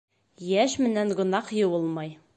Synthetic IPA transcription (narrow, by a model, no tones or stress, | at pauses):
jæʃmɘ̆næŋɢŏnɑqjɤ̆wɤ̆lˠmɑj